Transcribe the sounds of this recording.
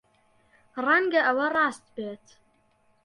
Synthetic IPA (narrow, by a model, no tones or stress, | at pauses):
raŋɡɐʔɐwɐrˤɑːst̪beːt̪